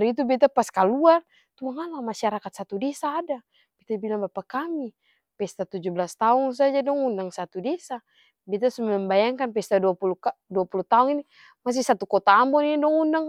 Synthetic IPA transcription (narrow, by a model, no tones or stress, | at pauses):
aɾit̪̬ubɛt̪̬apaskaluar | t̪uaŋalamaʃaɾakat̪̚sat̪udɛsaːda | b̥ɛt̪abilaŋbapakami | pɛst̪at̪ud͡ʒublast̪auns̬ad͡ʒadɔŋundaŋsat̪udɛsa | bɛt̪̬asumɛmbajaŋkanpɛst̪aduapulukaduapulut̪auŋini | mas̬isat̪ukɔt̪aːmbɔninidɔŋundaŋ